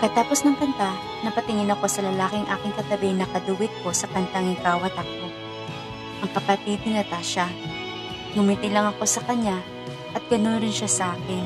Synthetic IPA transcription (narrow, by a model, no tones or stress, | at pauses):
kɐt̪aːposnɐŋkɐnt̪a | nɐpɐt̪ɪŋɪnɐko̞sɐlɐlaːkɪɐŋʔa̰ːkɪŋkɐt̪ɐbɪnɐkɐd̪ʊwɪt̪̚ko̞sɐkɐnt̪aŋɪkaːwɐt̪ɐk̚o̞ | ʔɐŋkɐpɐt̪id̪ɪnɐt̪aʃa | ɡʊmiːt̪ɪlɐŋɐko̞sɐkɐɲa | ʔɐt̪̚ɡ̥ɐno̞nɾɪnʃasɐʔaːkɛn